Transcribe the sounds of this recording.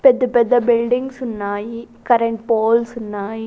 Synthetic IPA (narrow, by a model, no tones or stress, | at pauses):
pɛd̪ɯpɛd̪ɐbɪlɖɪŋɡsʊnːaːji | kɐɾɐɳʈ̚poːlsʊnːaːji